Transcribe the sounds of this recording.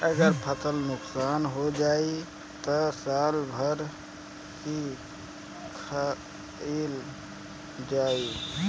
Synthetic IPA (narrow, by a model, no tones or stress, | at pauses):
əɡəɾpʰət̪əlnʊksaːnɦod͡ʒaːi | t̪əsaːlbʱəɾ | ki | kʰə | el | d͡ʒaːi